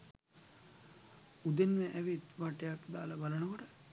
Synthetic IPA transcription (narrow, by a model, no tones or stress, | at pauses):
ud̪enʋeʔæʋit̪ʋaʈejakd̪aːlabalənəkoʈə